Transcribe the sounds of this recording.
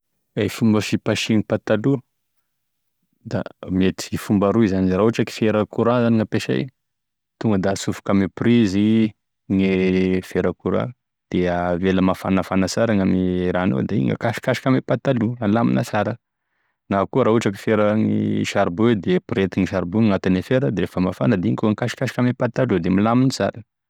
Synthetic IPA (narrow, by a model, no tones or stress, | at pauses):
afumbəfipaʃiŋipat̪alu | d̪a̰met̪iifumbaɾuizanirauaʈ͡ʂaki̥feɾakuɾazaniŋapeʃa̰j | t̪uŋɡəd̪asufu̥kamiprizi | ŋefeɾakuɾa̰ | d̪̥eəveləmafanəfanat͡saɾaŋamiɾanṵd̪eḭŋɡə̰kaʃi̥kaʃi̥kamepat̪alualamḭnət͡saɾə | nakuəɾauaʈ͡ʂaki̥feɾəŋḭʃaɾbud̪epɾet̪iŋiʃaɾbuŋat̪inefeɾəd̪eɾefəmafa̰nəd̪iŋikuŋkaʃi̥kaʃi̥kamepat̪alud̪emilaminit͡sa̰ɾə